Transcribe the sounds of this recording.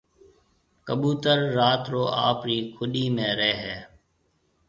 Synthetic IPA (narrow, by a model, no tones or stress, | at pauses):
kəɓuːt̪əɾːaːt̪ɾoːʔa̰ːpɾiːkʰʊɗiːmẽːɾɛːɦɛː